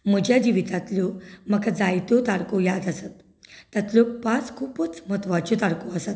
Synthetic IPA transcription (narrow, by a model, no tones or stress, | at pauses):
m̤əd͡ʑʱjad͡ʑiʋit̪at̪ljɔmakad͡zajt̪ɔt̪aɽkojad̪əsat̪ː | at̪ljɔpãt͡skʰuːpət͡sm̤ət̪ʋat͡ɕot̪aɽkoəsat̪